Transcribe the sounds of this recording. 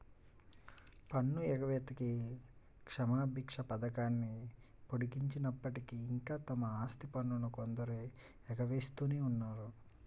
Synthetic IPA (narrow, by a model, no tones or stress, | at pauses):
pɐɳːuɛɡɐʋeːt̪ɐki | kʂɐmaːbʱikʂɐpɐd̪ɐkaːnːi | poɽikiɲt͡ʃinɐpːɐʈikiːŋkaːt̪ɐmɐaːst̪ipɐnːunukond̪ɐɾu | ɛɡɐʋeːst̪uːneːunːaːɾu